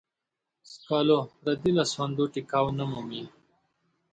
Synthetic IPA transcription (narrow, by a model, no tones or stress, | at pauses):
skaloɾɐd̪ilaswand̪oʈikawnamumi